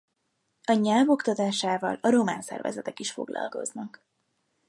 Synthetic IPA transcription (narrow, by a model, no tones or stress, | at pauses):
ɒɲalvo̞kt̪ɒt̪aːʃaːvɒlɒɾo̞maːnsɛ̰rvɛ̰zɛt̪ɛkiʃfo̞ɡlʔɒ̰lko̞znɒk